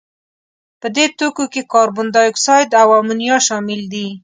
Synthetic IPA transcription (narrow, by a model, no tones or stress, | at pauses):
pəd̪et̪okokekɑɾbʊnd̪ɑjʊksɑjd̪awamunjɑʃɑmɪld̪i